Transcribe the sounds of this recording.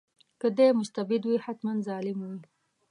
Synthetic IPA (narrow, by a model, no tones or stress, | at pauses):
kəd̪emʊst̪abɪd̪wihat̪mand̪zɑlɪmwi